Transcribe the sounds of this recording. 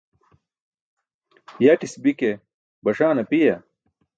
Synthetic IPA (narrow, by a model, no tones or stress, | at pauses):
jaʈisbike | bɐʂaːnɐpijɐ